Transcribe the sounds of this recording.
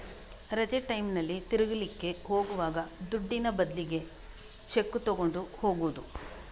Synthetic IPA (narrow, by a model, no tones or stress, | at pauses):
ɾɐd͡ʒeʈɐjmnɐlːit̪iɾuɡɐlikːe̞ho̞ːɡuʋaːɡɐd̪uɖːinɐbɐd̪liɡe̞ | t͡ʃe̞kːut̪oɡo̞ɳɖuho̞ːɡuʋːd̪u